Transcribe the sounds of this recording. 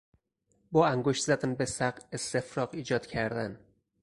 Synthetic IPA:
bɒːæŋɡoʃt̪zæd̪ænbesæɢest̪e̞fɾɒːqiːd͡ʒɒːd̪̥cʰæɾd̪æn

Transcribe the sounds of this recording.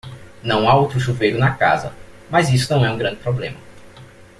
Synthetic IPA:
nɐ̃w̃aowt̪ɾʊʃuvejlʊnɐka̰zɐ̰ | mɐzisʊnɐ̃w̃ɛũɡɾɐ̃nd͡ʒɪpɾoblḛ̃mɐ

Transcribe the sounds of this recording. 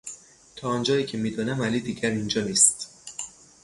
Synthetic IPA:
t̪ʰɒːɒnd͡ʒɒːiːcʰemiːd̪ɒːnæmæliːd̪iːɟæɾind͡ʒɒːniːst̪

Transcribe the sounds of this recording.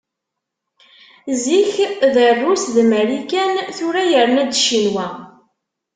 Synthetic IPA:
ziçðərːusðməlikænθʊɾajəɾənæd̪ʃinwæ

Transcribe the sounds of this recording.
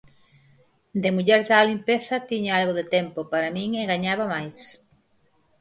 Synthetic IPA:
d̪emuʎɛɾðalimpeθat̪iɲaalɣoðet̪empopaɾamĩŋeɡaɲaβamajs

